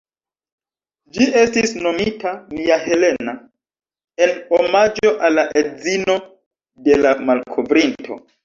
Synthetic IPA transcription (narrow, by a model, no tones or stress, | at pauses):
d͡ʒie̞stisno̞mitamiahe̞le̞na | e̞nomad͡ʒo̞ʔalːaʔezino̞ | de̞lamalkʰovɾintʰo̞̰